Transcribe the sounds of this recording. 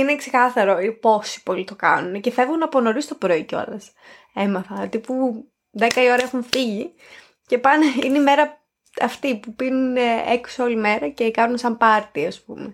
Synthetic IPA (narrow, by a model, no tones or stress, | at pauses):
ine̞ksekɐsɐɾo̞ipo̞si̥po̞lit̪o̞kɐ̰nunce̞fevɣunɐpo̞no̞ɾist̪opɾoiceo̰lɐs | e̞mɐθɐt̪ipu | ðe̞kɐio̞ɾɐexunfiʝi | ce̞pɐneineime̞ɾɐ | ɐft̪ipupinuneku̥sɐo̞lime̞ɾɐce̞kɐnunsɐmpɐɾt̪iɐspume